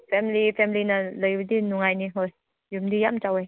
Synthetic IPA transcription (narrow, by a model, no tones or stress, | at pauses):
pʰemilipʰemilinaləjudinuŋajniɦoj | jumdijamt͡ʃawej